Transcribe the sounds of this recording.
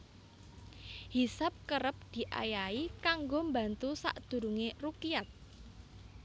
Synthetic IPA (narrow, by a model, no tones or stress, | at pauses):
hisap̚kəɾəp̚d̪̥i̤ʔa̰jaikaŋɡombant̪usa̰ʔd̪̥ṳɾuŋerukijat̪̚